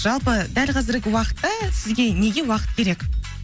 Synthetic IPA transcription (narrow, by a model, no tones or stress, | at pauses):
ʒ̥ɑlˠpəd̪ælqʰɑzɪɾɡʲɪwɑqə̥t̪ːɑsɪzɡʲe̞ne̞ɡʲe̞wɑqət̪̚kʲʰe̞ɾe̞k